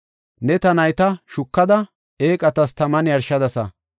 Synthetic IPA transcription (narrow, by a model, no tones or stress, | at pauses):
nɛt̪ɐnɐjt̪ɐʃʊkːɐd̪ɐ | eːkʼɐt̪ɐst̪ɐmɐnɐɾʃɐd̪ɐsɐ̰